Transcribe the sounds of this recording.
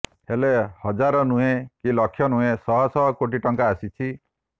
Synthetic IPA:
helehɔd͡ʒaɾɔnũɦẽkilɔkʰjɔnũɦesɔɦɔsɔɦɔkoʈiʈɔŋkaːsit͡ʃʰi

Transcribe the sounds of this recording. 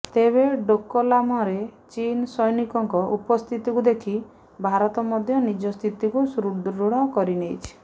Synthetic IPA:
t̪eβeɖokːolamɔɾet͡ʃinsɔjnikɔŋkɔʔupɔst̪ʰit̪ikud̪ekʰi | bʱaɾɔt̪ɔmɔd̪ʱjɔnid͡ʒɔst̪ʰit̪ikusɾudɾuɽɔkɔɾinejt͡ʃʰi̥

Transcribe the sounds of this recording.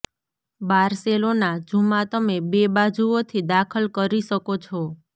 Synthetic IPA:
baɾselonad͡ʒumat̪əmebebad͡ʒuot̪ʰid̪akʰəlkəɾiʃəkot͡ʃʰo

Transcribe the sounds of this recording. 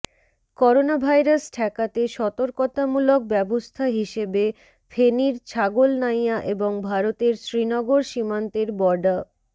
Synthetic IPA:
kɔɾonabʱajɾasʈʰɛkat̪eʃɔt̪oɾkot̪amulok̚bɛbost̪ʰaɦiʃebe | fʰeniɾt͡ɕʰaɡolnajaʔeboŋbʱaɾot̪eɾsɾinɔɡoɾʃimant̪eɾbɔɾɖa

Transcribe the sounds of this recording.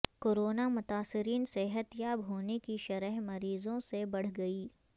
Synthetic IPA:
koːɾoːnamʊt̪aːsɪɾiːnsɛɦət̪jaːbɦoːnekiʃɐɾəɦmɐɾiːzõsebɐɽ̤ɡɐiː

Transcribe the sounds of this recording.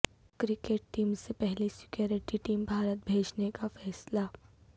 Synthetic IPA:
kɾikeʈ̚ʈiːmsepɛɦlisi̥kjoɾiʈiʈiːmbʱaɾət̪̚bʱed͡ʑnekafɛːsla

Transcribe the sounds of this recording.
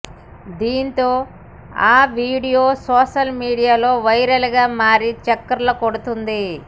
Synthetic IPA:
d̪iːnt̪o̞ː | aːʋiːɽijoːsɔːʃɐlmiːɽijaːlo̞ːʋɐjɾɐlɐɡaːmaːɾit͡ʃɐkːɐɾlɐkoɽut̪und̪i

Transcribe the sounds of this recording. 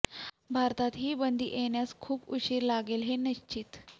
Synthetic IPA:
bʱaɾt̪at̪ɦiːbənd̪ʱḭʔenjaskʰuːpuɕiːɾlaɡelɦeniɕt͡ɕit̪

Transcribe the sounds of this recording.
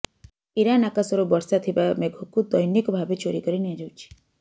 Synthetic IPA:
iɾanakasɔɾɔbɔɾsat̪ʰibameɡʱokud̪ɔjnikɔbʱabet͡ʃoɾikɔɾiniad͡ʒawt͡ʃʰi̥

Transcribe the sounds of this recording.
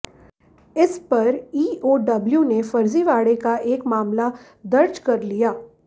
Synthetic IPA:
ɪspɐɾiːoːɖɐbljunefɐɾziʋaːɽekaʔeːkmaːmla | d̪ɐɾd͡ʒkɐɾlijaː

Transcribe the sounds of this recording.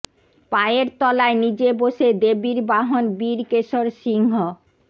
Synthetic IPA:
paeeɾt̪ɔlaenid͡ʑeboʃed̪ebiɾbaɦonbiɾkeʃoɾʃiŋɦo

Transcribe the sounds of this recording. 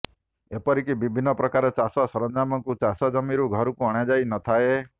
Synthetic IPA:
epɔɾikibibʱinːɔpɾɔkaɾɔt͡ʃasɔsɔɾɔnd͡ʒamɔŋkut͡ʃasɔd͡ʒɔmiɾuɡʱɔɾukuɔɽ̃jad͡ʒajnɔt̪ʰae

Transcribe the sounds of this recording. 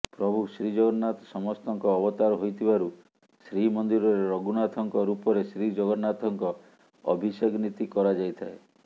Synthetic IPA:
pɾɔbʱusɾid͡ʒɔɡɔnat̪ɔsɔmɔst̪ɔŋkɔːbɔt̪aɾɔɦojt̪ʰibaɾu | sɾimɔnd̪iɾɔɾeɾɔɡunat̪ʰɔŋkɔɾupɔɾesɾid͡ʒɔɡɔnat̪ʰɔŋkɔ | ɔ̰bʱiseɡnit̪ikɔɾad͡ʒajt̪ʰae

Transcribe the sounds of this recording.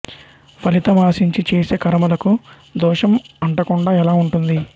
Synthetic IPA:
pʰɐlit̪ɐmaːsiɲt͡ʃit͡ʃeːse̞ːkɐɾɐmɐlɐku | d̪ɔːʂɐmɐɳʈɐkuɳɖaːɛlaːuɳʈund̪i

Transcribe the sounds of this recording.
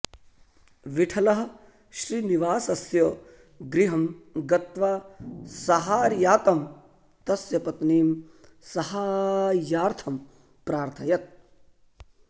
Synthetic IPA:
ʋiʈʰɐlɐɦɐ̆ | ʃɾiniʋaːsɐsjɐ | ɡɾiɦɐmɡɐt̪ʋaːsɐɦaːɾjaːt̪ɐm | t̪ɐsjɐpɐt̪niːm | sɐhaːjaːɾt̪ʰɐm | pɾaːɾt̪ʰɐjɐt̪̚

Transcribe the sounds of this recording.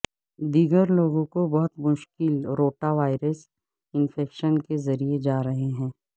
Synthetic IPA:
d̪iːɡəɾloːɡõkobɐɦʊt̪mʊʃkɪlɾoːʈaʋaːɪɾəs | ɪnfɛːkʃənkezɐɾied͡ʒaːɾɐɦeɦɛ̃ː

